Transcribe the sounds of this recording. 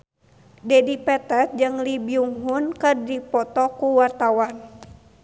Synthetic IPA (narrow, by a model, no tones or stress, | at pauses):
dɛdipɛt̪ɛt̪̚d͡ʒɨŋlibiuŋɦunkɨrdipɔt̪ɔkuwart̪awan